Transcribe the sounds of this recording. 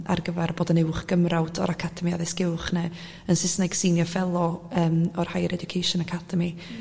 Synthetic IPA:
a̰rɡəvarboːdənɪwχɡ̥əmrawdʰɔ̰ɾakʰadʰɛmia̰ðɛsɡ̥ɪwχnɛ | ənsɪsnaɡ̥siːnjɔfɛlˠɔəːmɔrhajɾʔɛdʊkʰejʃɔnakʰad̥əmi

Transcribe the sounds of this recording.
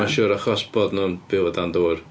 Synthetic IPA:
aʃʊːɾaχɔsbɔdnuːnb̥ɪwɔdandoːr

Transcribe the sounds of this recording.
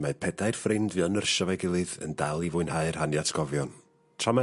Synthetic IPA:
maɨpʰɛdaɨrfrɪndvɨɔnərʃɔvaɡɪlˠɨðə̰ndalˠivʊɨnhaɨr̥hanjatʰɡ̥ɔvjɔn | tʰrama

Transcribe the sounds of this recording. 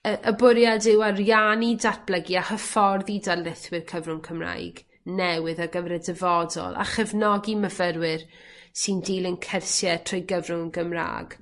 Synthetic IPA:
əʔəbʊɾjadɪwarjanidat̚b̥lˠɛɡiahəfɔrðidalɪθwɪrkʰəvrʊnkʰəmra̰jɡ̥ | nɛwɨðaɡəvɾɛdɛvɔdɔ̰lˠa̰χɛvnɔɡiməvəɾwɪr | sɨndiːlˠənkʰɛrsjɛtʰrojɡəvrʊnɡəmra̰ːɡ̥

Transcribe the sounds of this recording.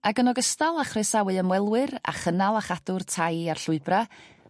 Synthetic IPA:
aɡənɔɡəstalˠaχresawɨəmwɛlˠwɨɾa̰χənalˠaχadʊrtʰajarɬʊɨbra

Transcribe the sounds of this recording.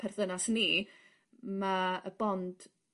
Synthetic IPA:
pʰɛrðənasniː | maəbɔnd̥

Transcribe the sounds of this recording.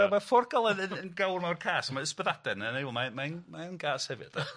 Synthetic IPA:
ɛmafɔrɡalˠɛðənənɡawrmawrkʰaːsamaəspəðad̥ɛnənejwɔlˠmamanmanɡaːshɛvɨ̰d̥

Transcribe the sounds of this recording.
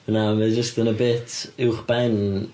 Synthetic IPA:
namɨd͡ʒəstənəbeːtʰɪwχb̥ɛn

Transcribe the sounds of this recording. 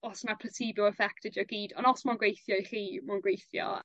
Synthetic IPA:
ɔsnapʰəsibuɛfɛk̚tɛd͡ʒɔɡiːdɔnɔsmanɡwejθjɔiχiːmawnɡwejθjɔ̰

